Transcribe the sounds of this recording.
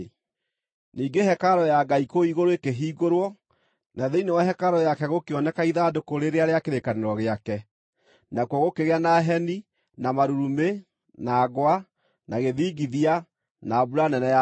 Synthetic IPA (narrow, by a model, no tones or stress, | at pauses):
niːɡehɛkaɾɔjaɡaikoiɣoɾoekeɦiːɣoɾwɔ | naðeinewaɦɛkaɾɔjakɛɣokeɔnɛkaiðadokoɾeɾeaɾeakeɾekaneɾɔɣeakɛ | nakwɔɣokeɣeanaɦɛni | namaɾuɾume | naːɡwa | naɣeðiːɡiðia | nabuɾanɛnɛa